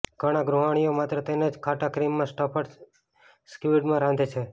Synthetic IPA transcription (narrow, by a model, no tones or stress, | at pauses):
ɡ̥ʱəɽ̃ãɡɾuɦaɽ̃ijomat̪ɾət̪ened͡ʒkʰaʈakɾimːãsʈɔpəʈ | skiʋiɖmãɾãnd̪ʱet͡ʃʰe